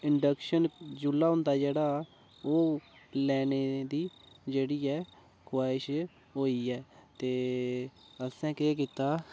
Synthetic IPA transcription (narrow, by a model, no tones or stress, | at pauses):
ɪɳɖəkʃənd͡ʒʊlːaːɦʊ̃nd̪aːd͡ʒeːɽaː | oːlɛːneːd̪iː | d͡ʒeːɽiːɛː | kʰwaːɪʃ | ɦoːiːɛːt̪eː | əsɛ̃ːkeːk̬iːt̪aː